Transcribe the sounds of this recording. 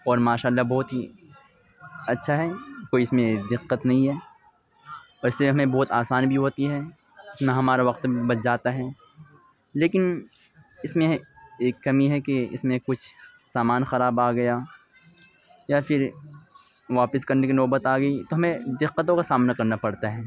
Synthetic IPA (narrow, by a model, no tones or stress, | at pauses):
ɔːɾmaːʃaːlːabɔːt̪ɦi | ɐtːʃʰaɦɛkoːiɪsmẽd̪ɪqːət̪nɐɦĩɦɛː | ɔːɾɪsleeɦɐmẽbɔːt̪aːsaːnbʱiɦoːt̪iɦɛ | ɪsmẽɦɐmaːɾaʋɐqt̪ibɐt̪d͡ʒaːt̪aɦɛː | leːkɪn | ɪsmẽeːkːɐmiɦɛkeɪ̰smẽkʊt͡ʃʰsaːmaːnxɐɾaːbaːɡɐja | jafɪɾ | ʋaːpɪskɐɾnekinɔːbət̪aːɡɐit̪oɦɐmẽd̪ɪqːət̪õkasaːmnakɐɾnapɐɽt̪aɦɛː